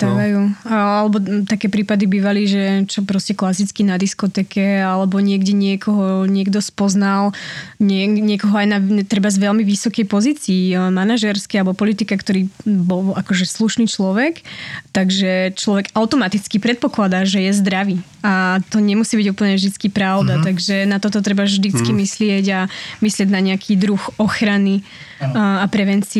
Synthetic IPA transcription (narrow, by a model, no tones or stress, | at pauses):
t̪ʋajualɛbɔt̪akɛːpɾiːpad̪ibiːʋaliʒɛt͡ʃɔpɾɔscɛklasit͡skinad̪iskɔt̪ɛːkɛalɛbɔɲɪɛɡɟɛɲɪɛkʰɔɦɔɲɪɛɡd̪ɔspɔznalɲɛɲɪɛkɔɦɔajnat̪ɾɛbazʋɛlmiʋisɔkɛjpɔziːt͡siːmanaʒɛɾskɛalɛbɔpɔlit̪ikakt̪ɔɾiːbɔlakɔʒɛsluʃniːt͡ʃlɔʋɛkt̪aɡʒɛt͡ʃlɔʋɛɡaʊt̪ɔmat̪it͡skipɾɛt̪̚pɔklad̪aʒɛjɛzd̪ɾaʋiː | at̪ɔɲɛmusiːbiɟuːpl̩ɲɛvʒd̪it͡skipɾaʊd̪at̪aɡʒɛnat̪ɔt̪ɔt̪̬ɾɛbavʒd̪it͡skimislɪɛɟamislɪɛɟnaɲɛakʰiːd̪ɾuxɔxɾani | apɾɛʋɛnt͡si